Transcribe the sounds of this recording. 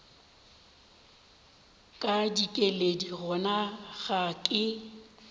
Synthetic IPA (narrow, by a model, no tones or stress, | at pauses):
kʼadikʼelediɣʊnaɣakʼɪ